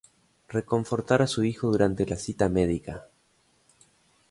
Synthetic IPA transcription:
reko̞ɱfo̞ɾt̪aɾasuixo̞ðuɾant̪e̞lasit̪ameðika

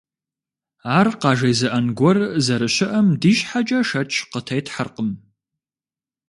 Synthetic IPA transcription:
aːrqɑːʒɐjzɨʔɐnɡʷɔrzɐɾɨɕɪʔɐmdiːɕħat͡ʃʼɐʂɐt͡ʃʼʰqətʰɐjtʰħərqəm

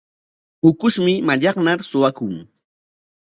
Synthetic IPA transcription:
ʊkʊʃmɪmaʎɑχnaɾsʊwakʊŋ

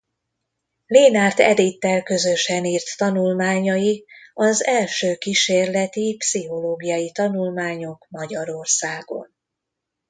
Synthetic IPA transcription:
leːnaːrt̪ɛ̰d̪it̪ːɛlkø̞zøʃɛniːrt̪ːɒnulmaːɲɒjiɒzɛlʃøːkiʃeːrlɛt̪ipsiɦo̞loːɡijɒjit̪ɒnulmaːɲo̞kmɒɟɒɾo̞rsaːɡo̞̰n

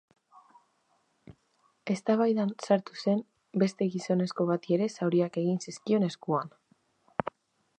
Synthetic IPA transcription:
e̞st̪aβajðansaɾt̪use̞m | be̞st̪e̞ɣiso̞ne̞sko̞β̞at̪ie̞ɾe̞sawɾiake̞ɣ̞insiskio̞ne̞skuan

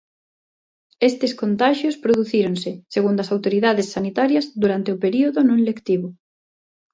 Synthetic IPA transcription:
est̪eskont̪aʃjospɾoðuθiɾonsɪseɣund̪ɐsawt̪oɾiðaðesːanit̪aɾjɐzðuɾant̪eʊpeɾioðʊnõŋlekt̪iβʊ

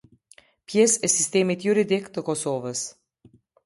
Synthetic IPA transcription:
pjɛsɛsist̪eːmit̪juɾid̪ikt̪əkɔsovəs

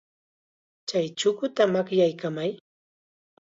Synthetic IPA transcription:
t͡ʃajt͡ʃʊkʊt̪amakjajkamaj

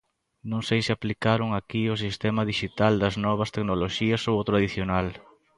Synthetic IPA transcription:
nõŋsejsɪaplikaɾʊŋakios̬ist̪ɛmɐðiʃit̪ald̪ɐznɔβ̞ɐst̪eknoloʃiɐsowot̪ɾaðiθjonal

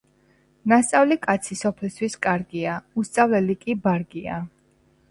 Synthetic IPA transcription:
nast̪sʼavlikʼat̪sʰisɔpʰɛlst̪wiskʼaɾɡiaust̪sʼavlɛlikʼibaɾɡia̰

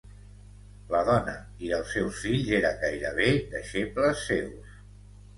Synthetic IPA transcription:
ləðɔnə̰ | iəlˠsːɛwsfiʎzeɾəɡajɾə̰β̞ed̪əʃepləsːews

